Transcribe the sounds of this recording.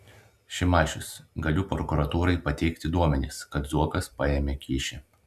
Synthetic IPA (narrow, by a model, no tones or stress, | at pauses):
ʃʲɪmɑːʃʲʊsɡɐlʲʊpɾɔkuɾɐt̪uːɾɐɪpɐt̪ʲɛɪkt̪ʲɪd̪uɔmʲɛnʲɪskɐt̪zuɔkɐspɑeːmʲeːkʲiːʃʲɛ